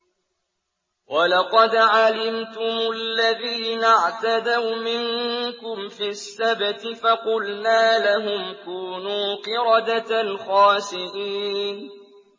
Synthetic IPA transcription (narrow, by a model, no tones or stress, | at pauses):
wʔalɑqɑd̪ʕalɪmt̪ʊmʊlːaðiːnaʕt̪ad̪awmɪŋkʊmfisːabt̪ɪfaqʊlnaːlaɦʊmkuːnuːqɨɾˤɑd̪at̪nxɑːsɪʔiːn